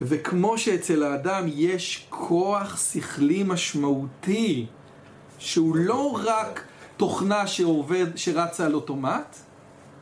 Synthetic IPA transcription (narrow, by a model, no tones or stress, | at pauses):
vekʰmo̞ʃeet͡selaːdamjeʃkʰo̞aχsiχlimaʃmauti | ʃeulo̞ʁakto̞χnaʃeoved̪ʃeʁat͡salo̞to̞mat